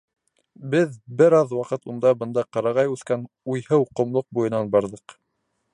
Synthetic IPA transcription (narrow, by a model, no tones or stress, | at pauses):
bɘðbɘɾɑðwɑqɤt̪und̪ɑbɤ̆nd̪ɑqɑɾɑʁɑjʉθkæn | ujhɤwqŏmlˠoq̚bujɤ̆nɑnbɑɾðɤq